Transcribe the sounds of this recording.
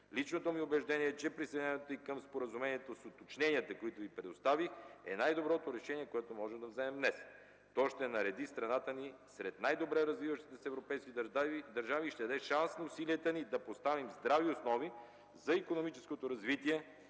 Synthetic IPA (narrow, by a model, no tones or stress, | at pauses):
lit͡ʃnot̪omiobɛʒd̪ɛnʲiɛɛt͡ʃɛpɾisɛd̪ɛɛnɛt̪oikəmspoɾəzumɛniɛt̪osot̪ot͡ʃnɛniət̪ɐkoit̪ʊvipɾɛd̪ost̪avixɛ̰najd̪obɾɔt̪oɾɛʃɛniɛkoɛt̪omɔʒɛmd̪ɐvzɛmɛmnɛs | t̪ɔʃt̪ɛnɐɾɛd̪ist̪ɾɐnat̪ənisɾɛt̪najd̪obɾɛɾɐzvivəʃt̪i̥t̪ɛsɛvɾopɛjskid̪ɐɾʒaviʃt̪ɛd̪ɐd̪ɛʃansnɐusiliət̪ənid̪ɐpost̪avimzd̪ɾaviosnɔvi | zɐikonomit͡ʃɛ̥skot̪oɾɐzvit̪iɛ